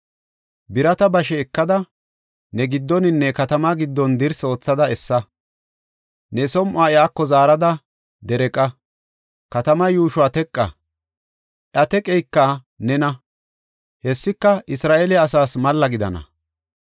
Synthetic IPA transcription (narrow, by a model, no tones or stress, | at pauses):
bɪɾɐt̪ɐbɐʃɛːkːɐd̪ɐ | nɛɡɪd̪ːɔnɪnːɛkɐt̪ɐmaɡɪd̪ːɔnd̪ɪɾso̞ːt͡sːɐd̪ɐɛsːɐ | nɛsɔmʔʊaːɛaːkːɔzaːɾɐd̪ɐ | d̪ɛɾɛkʼɐ | kɐt̪ɐmɐjuːʃʊwaːt̪ɛkʼːɐ̰ | ʔɐt̪ɛkʼɛjkːɐ | nɛnɐ | hɛsːɪkːɐɪsɾaːʔelɛɐsaːsmɐlːɐɡɪd̪ɐ̰nɐ̰